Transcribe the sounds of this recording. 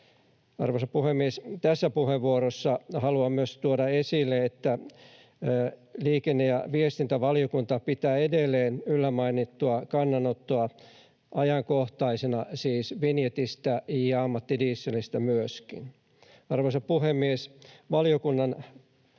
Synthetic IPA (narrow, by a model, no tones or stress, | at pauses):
ɑ̰rʋosɑpuhemːiest̪æsːæpuheʋʋuoɾosːɑhɑluɑmyøst̪uodɑesilːeet̪ːæ | liːkenːejɑ̰ʋiest̪int̪æʋɑliokunt̪ɑpit̪æːedelːeːnylːæmɑinit̪ːuɑkɑnːɑnot̪ːuɑ | ʔɑjɑŋkoht̪ɑisenɑsiːsʋinjet̪ist̪æɑmːɑt̪ːidiːsːelist̪æmyøskḭn | ɑrʋosɑpuhemːiesʋɑlijokunːɑn